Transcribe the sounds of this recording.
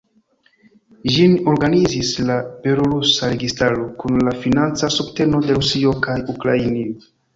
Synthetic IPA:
ʒino̞ɾɡanizislab̥e̞loɾusaɾe̞ɡistaɾo̞kunlafinant͡sasubte̞no̞de̞ɾusio̞kajukɾainio

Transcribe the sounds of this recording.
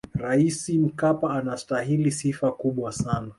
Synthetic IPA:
ɾaisim̩kapaːnastaɦilisifakuɓwasana

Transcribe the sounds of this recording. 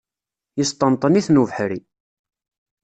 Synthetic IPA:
jəst̪ˤənt̪ˤəniθnuvəħɾi

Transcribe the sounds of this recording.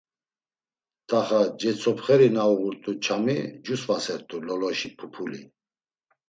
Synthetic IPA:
t̪ʼaχad͡ʒɛt͡sʰɔpχɛɾinauɣuɾt̪ʼut͡ʃʰamid͡ʒusvasɛɾt̪ʼulɔlɔʃipʰupʰulḭ

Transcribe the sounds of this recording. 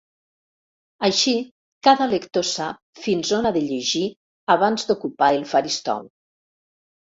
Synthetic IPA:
aʃi | kaðəlekt̪osap̚finzonaðeʎeʒi | aβanzd̪ukupaelˠfaɾist̪ɔ̰w

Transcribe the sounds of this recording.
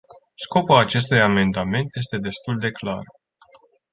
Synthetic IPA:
sko̞pulat͡ʃe̞st̪ujame̞nd̪ame̞nt̪je̞st̪e̞d̪e̞st̪uld̪e̞klar

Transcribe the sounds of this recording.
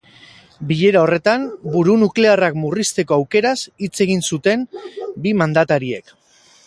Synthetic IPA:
biʎe̞ɾao̞re̞t̪ambuɾunukle̞arakmurist̪e̞ko̞awke̞ɾasit͡se̞ɣ̞insut̪e̞mbimand̪at̪aɾie̞k

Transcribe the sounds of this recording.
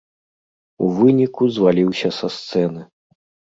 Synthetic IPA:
uvɨnʲikuzvalʲiwsʲɐsɐst̪sɛnɨ

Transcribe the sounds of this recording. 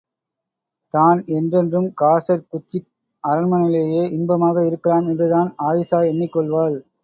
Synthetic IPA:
t̪aːnɛndrɛndrɯmkaːsɐɾkʊt͡ʃːɪ | ɐɾɐnmɐnɪleːjeːʔɪnbɐmaːɣɐɪɾɯkːɐlaːmɛnbɐðaːnaːʋɪsaːɛnːɪkːɔɭʋaːl

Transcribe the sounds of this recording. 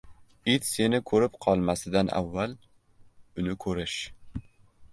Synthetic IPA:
ɪt̪se̞nɪkʰɵɾɪpqʰɒlˠmasɪd̪anʔa̰vːal | ʊnɪkʰɵɾɪʃ

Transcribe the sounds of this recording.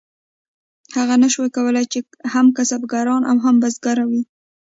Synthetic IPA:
haɣanaʃwajkawəlajt͡ʃe | hamkasabɡaɾɑnʔawɦambazɡaɾawi

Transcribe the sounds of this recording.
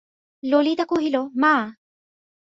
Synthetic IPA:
lolit̪akuɦilomaː

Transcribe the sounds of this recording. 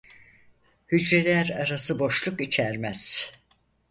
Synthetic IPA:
hyd͡ʒɾelʲæɾaɾasɯbo̞ʃlˠukit͡ʃʰæɾmæz̥

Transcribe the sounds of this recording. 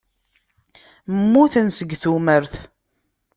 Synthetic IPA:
mːuθənsəɡθuməɾθ

